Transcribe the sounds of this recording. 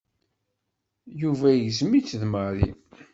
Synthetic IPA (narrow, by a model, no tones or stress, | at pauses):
juvæjəzmit͡sːðməɾḭ